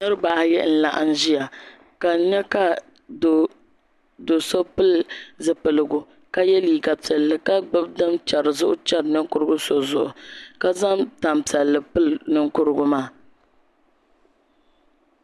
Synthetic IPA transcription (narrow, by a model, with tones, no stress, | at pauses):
nɨ˦ɾɨ˦ba˨hjɛ˦n̩˦la̰˨ʔa̰˦n˦ʒi˦ja˨ | ka˨˦ɲɛ˦ka˦ | d | do˨so˦pɨ˦lzɨ˨pɨ˨lɨ˨ɡʊ˨ | ka˦jɛ˦liː˨ɡa˨pɛ˨lːɨ˨ka˦ɡ͡bɨ˦bdɨ˦mt͡ʃɛ˨ɾɨ˨zʊ˦ʔʊ˦t͡ʃɛ˦ɾɨ˨nɨ˦ŋ˦kʊ˦ɾɨ˦ɡʊ˦so˨zʊ˨ʔʊ˨ka˦za˦mta˨mpɛ˨lːɨ˨pɨ˦lnɨ˦ŋkʊ˦ɾɨ˦ɡʊ˦maː˦˨